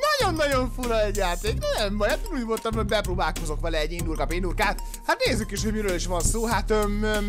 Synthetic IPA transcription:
nɒɟo̞nːɒɟo̞ɱfuɾɒɛɟːaːt̪eːknɛnɛmvɒjɛt̪inuːɟmolt̪ɒmoɟbɛpɾoːbaːlko̞zo̞kʋɛlɛːɟːind̪urkɒpind̪urkaːt̪ | hat̪neːzːykiʃhoɟmiɾøːliʃʋɒnsoːɦat̪ø

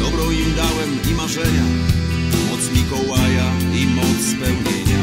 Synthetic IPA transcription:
d̪ɔbɾɔ̃w̃imd̪awɛmɲimaʐɛɲa | mɔt̪smʲikɔwaja | imɔt̪spɛwɡeɲa

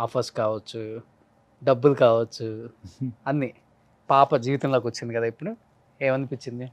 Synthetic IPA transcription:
aːpʰɐskaːʋɐt͡ʃːu | ɖɐbːulkaːʋɐt͡ʃːu | ɐnːi | paːpɐd͡ʒiːʋit̪ɐmlokʋɐt͡ʃːind̪ikɐd̪aːipːuɽu | ɛːʋɐnːipit͡ʃːind̪i

